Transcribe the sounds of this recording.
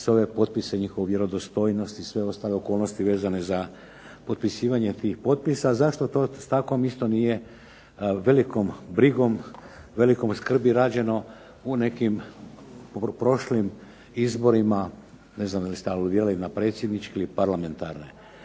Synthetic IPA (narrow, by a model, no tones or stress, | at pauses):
seo̞ʋe̞po̞t̪̚pise̞ɲixo̞ʋuʋje̞ɾo̞d̪ost̪o̞jnost̪isʋe̞o̞st̪aleoko̞ːlˠnost̪iʋe̞ːzane̞za | po̞t̪̚pisiːʋaɲe̞t̪iːxpo̞t̪̚pisazaʃt̪o̞t̪o̞st̪ako̞mist̪o̞nije̞ | ʋe̞liko̞mbɾiɡo̞m | ʋe̞liko̞mskr̩biɾaːd͡ʑe̞no̞ | une̞kim | pɾo̞ʃlim | izbo̞ɾima | ne̞znamd̪alist̪ealud̪iːɾalinapɾe̞ːt̪sjed̪nit͡ʃkeilipaɾlame̞nt̪aɾnḛ